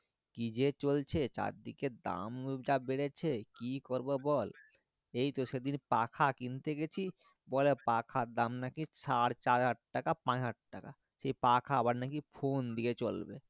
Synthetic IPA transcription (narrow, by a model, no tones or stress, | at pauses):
kid͡ʒet͡ʃolt͡ʃʰet͡ʃa̰ɾd̪iked̪a̰md͡ʒabeɽet͡ɕʰekikoɾbobɔl | ejt̪oʃed̪inpakʰakint̪eɡet͡ʃʰi | bɔlepakʰad̪amnakisaɽt͡ʃaɾɦaʈʈakapãɦaʈ̚ʈaka̰ | ʃejpakʰaːbaɾnak̬ipʰond̪iket͡ɕolbḛ